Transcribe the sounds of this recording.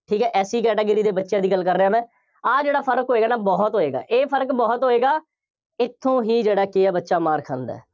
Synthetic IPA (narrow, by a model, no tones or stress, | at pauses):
ʈʰiːkɛːʔɛːsiːkɛːʈeːɡəɾiːd̪eːbətːʃjãːd̪iːɡəlkəɾːeːãːmɛ̃ː | aːd͡ʒeːɽaːpʰəɾkɦoːeːɡaːnaːbɔːt̪ɦoːeːɡa̰ːʔeːpʰəɾəkbɔːt̪ɦoːeːɡaː | ɪt̪ʰːõːɦiːd͡ʒeːɽaːkɪaːbətːʃaːmaːɾkʰə̃nd̪ɛ̰ː